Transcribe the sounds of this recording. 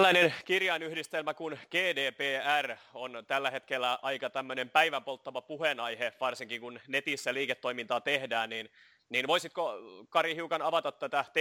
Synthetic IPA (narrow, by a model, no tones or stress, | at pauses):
lːæinenkirjɑinyhdist̪elmækunɡ̥eːdeːpeːæront̪ælːæhet̪kelːæʔɑikɑt̪æmːønempæiʋæmpolt̪ːɑʋɑpuhenɑjheʋɑrsiŋkiŋkunnet̪isːæliːket̪ːo̞imint̪ɑːt̪ehdæːnnin | ninʋoisit̪kokɑrihiukɑnɑʋɑt̪ɑt̪t̪ːæt̪æt̪e